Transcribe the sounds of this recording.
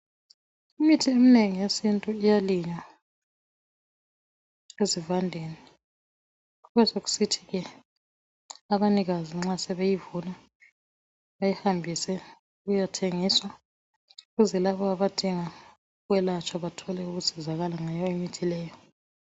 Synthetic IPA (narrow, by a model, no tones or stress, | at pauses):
imitʰiemineŋijesintʼuijaliɲa | ezivandʱeni | uɣɛsoɣu̥sitʰi̥ɣɛ | aβaniɣaziŋ͡ǁasɛβejivuna | βajihambʱisɛ | uɣujatʰeŋiswa | uɣuzɛlaβɔaβad̥ʱiŋa | ɣwɛlat͡ʃʰʼaβatʰɔlɛuɣusizaɣalaŋajaimitʰilɛːjɔ